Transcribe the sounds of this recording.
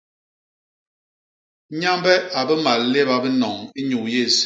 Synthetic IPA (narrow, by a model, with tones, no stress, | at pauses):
ɲa˦mbɛ˦a˨bə˦ma˨lle˦ba˦bə˦nɔ˨ŋi˦ɲu˨je˦˨s